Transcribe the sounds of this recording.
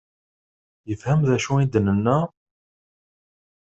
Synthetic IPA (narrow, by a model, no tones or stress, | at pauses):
jəfhæmðæʃuid̪ənənːæ